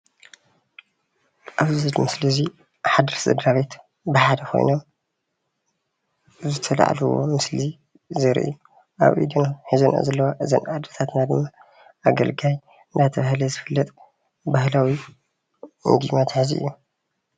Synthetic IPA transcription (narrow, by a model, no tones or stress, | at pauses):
ʔaβzɨzɐlmɨslɐzi | ħad̪ɾszɐ̰d̪ɾaβet̪ | bɨħad̪ɐkʰo̰jnom | zɨt̪ʰɐla̰ʕ̰luwo̰mɨsli | zɐɾḭʔju | ʔa̰βʔḭd̪inaħizuna̰zɐlːɐwaʔɨzɐ̰nad̪ɾɐt̪ʰat̪nad̪ɨmːa | ʔaɡɐ̰lɡaj | ɨnd̪at̪ʰɐβahlɐzɨfɨlːɐt̪ʼ | bahlawi | ɨ̰nd̪imat̪ʰħɨziʔɨ̰jːu